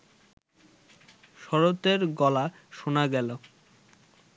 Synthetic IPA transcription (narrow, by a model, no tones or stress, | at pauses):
ʃɔɾot̪eɾɡɔla | ʃonaɡɛlo